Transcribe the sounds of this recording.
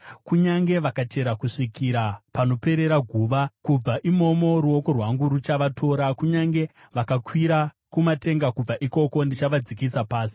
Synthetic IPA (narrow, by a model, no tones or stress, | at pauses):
kuɲaŋɡe̞ʋakat͡ʃe̞ɾakuʂikiɾapano̞pe̞ɾe̞ɾaɡʱuːʋakub͡vaʔimo̞mo̞ɾuo̞ko̞rwaŋɡuɾut͡ʃaʋatʰo̞ːɾakuɲaŋɡe̞ | ʋakakwiɾa | kumate̞ŋɡakub͡vaʔiko̞ko̞ndit͡ʃaʋad͡zikisapaːsi̥